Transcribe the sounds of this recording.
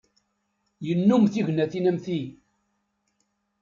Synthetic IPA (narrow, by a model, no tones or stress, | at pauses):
jənːumθiʝnæθinæmθi